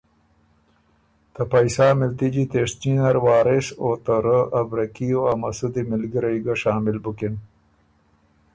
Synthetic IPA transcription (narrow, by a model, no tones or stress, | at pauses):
t̪ɐpɐjsaːmɪlt̪id͡ʑit̪eːʂt͡ʃinɐɾwɑːɾesoːt̪əɾəɐbɾɐkijoamɐsud̪imɪlɡiɾɐjɡɐʃaːmɪlbukin